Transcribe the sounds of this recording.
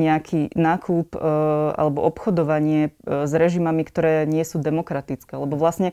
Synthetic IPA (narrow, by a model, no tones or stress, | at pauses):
ɲɛakʰinaːkʰuːpa̰lɛbɔ̰ʔɔpxɔd̪ɔʋaɲɪɛzɾɛʒimamikt̪ɔɾɛːɲɪɛsuːd̪ɛmɔkɾat̪it͡skɛːalɛbɔʋlasɲɛ